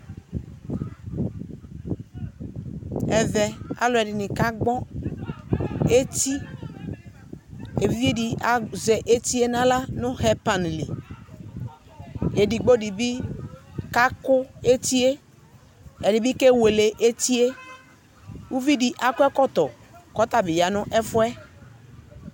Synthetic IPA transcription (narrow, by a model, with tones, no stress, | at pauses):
ɛ˨ðɛ˨a̰˨lʊ˨˦ɛ˨ɖɪ˨nɪ̃˨ka˦ɡ͡bɔ˦ | e˦t̪i˦ | e˨vi˦vi˦di˨ʔa˨zɛ˨ʔe˦t̪i˦e˦nã˦la˦nʊ̃˦ɦɛ˦pa˨nlḭ˨ | e˨di˨ɡ͡bo˦di˨bi˦ | ka˦kʊ˦e˦t̪i˦e˦ | ɛ˨di˨bi˦ke˦we˨le˨ʔe˦t̪i˦e˦ | wu˦vi˦di˨ʔa˨kʊ˦ɛ˦kɔ˦t̪ɔ˨ | kɔ˦t̪a˨bɪ˨ja˨nʊ̃˦ʔɛ˦fʊ˦ɛ˦